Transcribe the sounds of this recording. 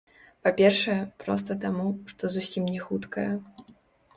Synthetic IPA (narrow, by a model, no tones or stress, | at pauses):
papʲɛrʂɐjɛpɾɔ̰s̬t̪ɐt̪amuʂt̪ɔzusʲimnʲɛxut̪kɐjɛ